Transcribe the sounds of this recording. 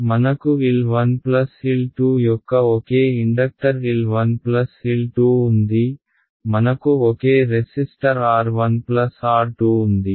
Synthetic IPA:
mɐnɐkuʋilʋɐnplɐsilʈuːjɔkːɐɔkeːiɳɖɐk̚ʈɐɾʋilʋɐnplɐsilʈuːund̪i | mɐnɐkuɔkeːɾesisʈɐɾaːɾʋɐnplɐsaːɾʈuːund̪i

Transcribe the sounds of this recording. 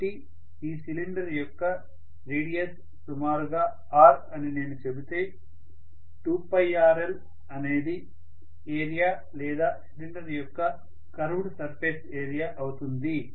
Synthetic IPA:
ʈi | iːsiliɳɖɐɾjɔkːɐ | ɾiːɽijɐs | sumaːɾuɡaː | aːɾɐnine̞ːnut͡ʃebut̪e̞ː | ʈuːpɐjaːɾel | ɐneːd̪i | eːɾijaː | lɛːd̪aːsiliɳɖɐɾjɔkːɐ | kɐɾuʋɽsɐɾpʰe̞ːseːɾijaːʔɐwut̪und̪i

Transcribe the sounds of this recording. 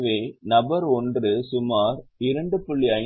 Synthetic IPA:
ʋeːnɐbɐɾɔndrɯsʊmaːɾɪɾɐɳɖɯpʊɭːɪɐ

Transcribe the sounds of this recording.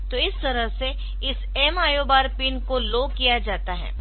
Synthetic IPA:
t̪oːɪst̪ɐɾəɦse | ɪs | ɛːmaːjoːbaːɾpɪnkoloːkijad͡ʒaːt̪aɦɛ̰ː

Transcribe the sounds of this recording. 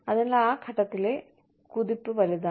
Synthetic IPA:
ɐðenlːɐaːkʰɐʈːɐt̪ːile̞ | kuðipːɨʋɐliða

